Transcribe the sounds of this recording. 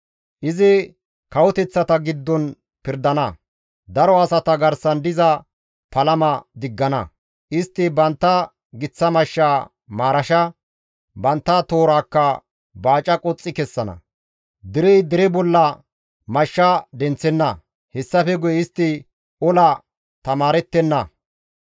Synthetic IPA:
ʔɪzɪ | kɐwɔt̪ɛt͡sːɐt̪ɐɡɪd̪ːɔn | pɪɾd̪ɐnɐ | d̪ɐɾɔɐsɐt̪ɐɡɐɾsɐnd̪ɪzɐ | pɐlɐmɐd̪ɪɡːɐnɐ̰ | ʔɪst̪ːɪbɐnt̪ːɐ | ɡɪt͡sːɐmɐʃːaː | maːɾɐʃɐ | bɐnt̪ːɐt̪oːɾaːkːɐ | baːt͡ʃʼɐkʼɔt͡sʼːɪkɛsːɐnɐ̰ | d̪ɪɾɛjd̪ɪɾɛbɔlːɐ | mɐʃːad̪ɛnt͡sːɛnːɐ | hɛsːɐfɛɡʊjɛɪst̪ːɪ | ɔlɐ | t̪ɐmaːɾɛt̪ːɛnːɐ

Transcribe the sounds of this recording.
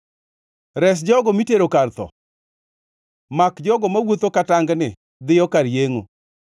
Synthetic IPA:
ɾɛs̬d͡ʒɔɡɔmiteɾokart̪ɔ̰ | makd͡ʒɔɡɔmawot̪okataŋɡnɪ | d̪ɪjɔkaɾjeŋo̰

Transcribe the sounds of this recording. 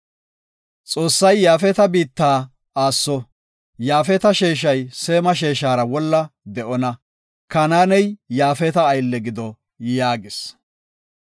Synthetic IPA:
t͡sʼo̞ːsːɐjːaːfɛt̪ɐbiːt̪ːaː | aːsːɔ | jaːfɛt̪ɐʃeːʃ̬ɐjse̞ːmɐʃe̞ːʃaːɾɐwɔlːɐd̪ɛʔɔnɐ | kɐnaːnɛjjaːfɛt̪ɐːjlːɛɡɪd̪ɔ | jaːɡɪs

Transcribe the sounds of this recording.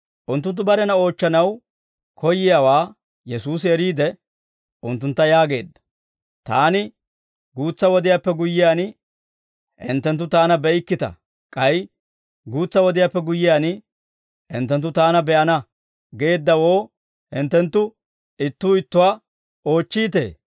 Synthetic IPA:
ʔʊnt̪̬ːʊnt̪̬ːʊbɐɾɛnɐo̞ːt͡ʃːɐnɐw | kʰɔjːɪjaːwaː | jɛsuːs̬ɪɛɾiːd̪ɛ | ʔʊnt̪ːʊnt̪ːɐjaːɡe̞̰ːd̪ːɐ̥ | t̪aːnɪ | ɡuːt͡sːɐwɔd̪ɪjaːpːɛɡʊjːɪjaːnɪ | hɪ̰nt̪ːɛnt̪̬ːʊt̪aːnɐbɛɪkːɪt̪ɐ̰ | kʼɐj | ɡuːt͡sːɐwɔd̪ɪjaːpːɛɡʊjːɪjaːnɪ | hɪ̰nt̪ːɛnt̪̬ːʊt̪aːnɐbɛʔɐnɐ | ɡe̞ːd̪ːɐwo̞ː | hɪnt̪ːɛnt̪ːʊ | ɪt̪ːuːɪt̪ːʊwaː | o̞ːt͡ʃːiːt̪e̞̰ː

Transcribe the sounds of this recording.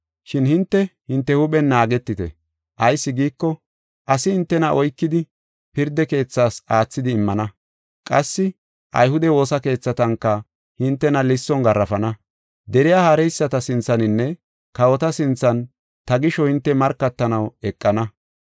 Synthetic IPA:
ʃɪnhɪnt̪ːɛhɪnt̪ːɛhʊɓɛnːaːɡɛt̪ːɪt̪ɛ̰ | ʔɐjsːɪɡiːkːɔ | ʔɐsɪhɪnt̪ːɛnɐʔɔjkːɪd̪ɪ | pɪɾd̪ɛke̞ːt͡sːaːsaːt͡sːɪd̪ɪːmːɐnɐ | kʼɐsːɪ | ʔɐ̰jhʊd̪ɛwo̞ːsɐke̞ːt͡sːɐt̪ɐŋkːɐ | hɪnt̪ːɛnɐlɪsːɔŋɡɐrːɐfɐnɐ | d̪ɛɾɪjahaɾɛjsːɐt̪ɐsɪnt͡sːɐnɪnːɛ | kɐwɔt̪ɐsɪnt͡sːɐn | t̪ɐɡɪʃɔhɪnt̪ːɛmɐɾkːɐt̪ːɐnɐwɛkʼːɐnɐ

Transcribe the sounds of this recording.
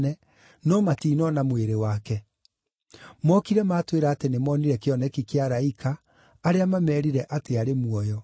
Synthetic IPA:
nɛ | nɔmatiːnɔnamweɾewakɛ | mɔkiɾɛmaːtweɾaːtenemɔːniɾɛkeɔnɛkikeaɾaikʰaː | ɾeamamɛːɾiɾɛʔateaɾemuɔjɔ

